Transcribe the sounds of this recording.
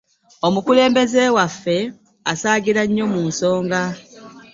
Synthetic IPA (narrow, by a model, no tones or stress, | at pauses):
omukule̞ːmbe̞zeːwafːe̞ | asaːɡiɾaɲːo̞muːnso̞ːŋɡa